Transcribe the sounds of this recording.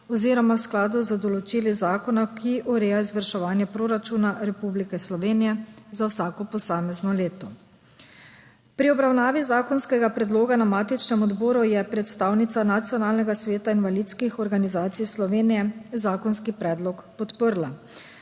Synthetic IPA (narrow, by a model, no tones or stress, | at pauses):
ɔziːɾɔmawsklaːd̪uzɐd̪ɔlɔt͡ʃiːlizaːkɔnakʰiʔɔɾɛːjaizʋəɾʃɛʋaːnjɛpɾoɾat͡ʃunaɾɛpublikɛslɔʋeːnijɛzawsaːkɔpɔsaːmɛznɔleːt̪ɔ | pɾiɔbɾawnaːʋizaːkɔnskɛɡapɾɛd̪loːɡanamaːt̪it͡ʃnɛmɔd̪bɔːɾujɛpɾɛt̪st̪aːwnit̪sanat̪sijɔnaːlnɛɡasʋeːt̪ainʋalit̪skixɔɾɡanizaːt̪sijslɔʋeːnijɛzaːkɔnskipɾɛːd̪lɔkpɔt̪pəɾla